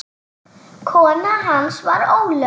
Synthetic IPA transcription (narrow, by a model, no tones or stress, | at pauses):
kʰɔnaɦansʋaɾowlœ